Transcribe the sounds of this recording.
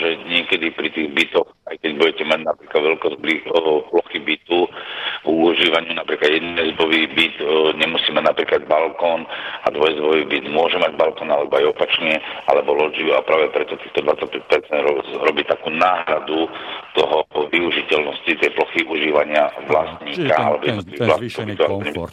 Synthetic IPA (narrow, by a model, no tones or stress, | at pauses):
ʒɛɲɪɛkɛd̪ipɾit̪iːɣbit̪ɔxajkɛɟbuɟɛcɛmaɟnapɾiːklad̪ʋɛlkɔzbliplɔxibit̪u | uʒiːʋaɲɪunapɾiːklad̪jɛd̪nɛzbɔʋibit̪ɲɛmusiːmɛnapɾiːkladbalkɔːnad̪ʋɔjzbɔʋiːbid̪mʊɔʒɛmaɟbalkɔnalɛbɔajɔpat͡ʃɲɛa̰lɛbɔlɔd͡ʒiuapɾaːʋɛpɾɛt̪ɔt̪iːxt̪ɔd̪ʋat͡sːac̚pɛc̚pɛɾt͡sɛnd̪ɾɔɾɔbiːt̪akuːnaːɦɾad̪ut̪ɔɦɔʋiuʒicɛlnɔscit̪ɛjplɔxiʔuʒiːʋaɲɪaʋlast̪ɲiːkaa̰lɛbɔjɛd̪nɔt̪liʋiɣʋlast̪ɲiːkɔbit̪ɔakɔɲɛbi